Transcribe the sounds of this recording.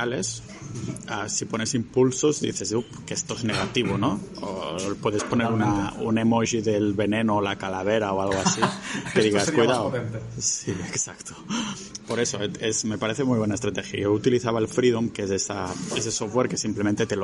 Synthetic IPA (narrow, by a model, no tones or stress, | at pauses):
ale̞s | asipone̞simpulsozd̪ḭθezupkest̪ozneɣ̞at̪iβ̞onoo̰pweðespo̞neɾunaunemoʒiðelβe̞nenoːlakalaβ̞eɾaoalɣoasikeðiɣaskujðawsieksakt̪o̥ | poɾe̞soeezme̞paɾeθemujβ̞wenaest̪ɾat̪exja̰jout̪iliθaβaelfɾiðomkesesaesesoftweɾkesimplemẽnt̪et̪el